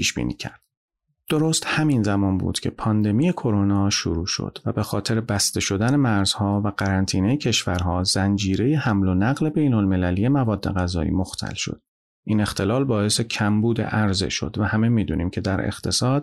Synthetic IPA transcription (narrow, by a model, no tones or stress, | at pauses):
pʰiːʃbḭːnḭːcʰæ̰ɾd̪̥ | d̪̥oɾoːst̪hæminzæmɒːnbṵːd̪̥cʲʰe̞̰pʰɒːnd̪e̞mije̞kʰo̞ɾonɒːʃo̰ɾuːʃo̰d̪̥væbe̞xɒːt̪ʰe̞ɾebæst̪e̞ʃo̞d̪æne̞mæɾz̥hɒːvæɢ̥æɾænt̪ʰiːnejecʰe̞ʃvæɾɦɒːzænd͡ʒiːɾe̞jehæmlonæɣle̞be̞jnolme̞lælije̞mævɒːd̪ːe̞ɣæzɒːḭːmoxt̪ʰæ̰lʃo̰d̪̥̚ | ʔiːne̞xt̪ʰe̞lɒːlbɒːe̞se̞cʰæmbuːd̪ḛʔæɾze̞̰ʃo̞̰d̪væhæme̞miːd̪uːniːmcʰe̞d̪æɾḛxt̪ʰe̞sɒːd̪̥